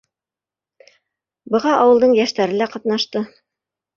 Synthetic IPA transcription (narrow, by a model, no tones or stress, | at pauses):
bɤ̆ʁɑʔɑwɤ̆lˠd̪ɤɴjæʃt̪æɾɘlæqɑt̪nɑʃt̪ɤ